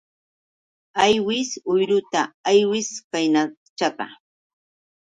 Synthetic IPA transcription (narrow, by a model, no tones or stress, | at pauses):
ajwɪsʊjɾʊt̪aːjwɪskajna | t͡ʃat̪a̰